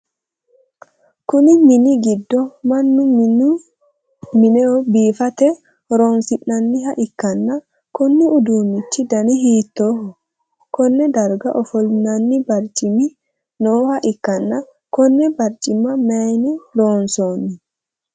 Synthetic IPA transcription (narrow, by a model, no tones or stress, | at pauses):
kʊnɪmɪniɡɪd̪ːɔmɐnːʊ | mɪnɛɔbiːfɐt̪ɛ | ɾoːnsɪnːɐnːɪɦɐʔɪkːɐnːɐ | kɔnːiʊd̪uːnːɪt͡ʃːid̪ɐniɦiːt̪ːoːhɔ | kɔnːɛd̪ɐɾɡaʔɔfɔlnɐnːibɐɾt͡ʃʼɪmi | noːhɐʔɪkːɐnːɐ | kɔnːɛbɐɾt͡ʃʼɪmɐmɛjnidoːnsonːi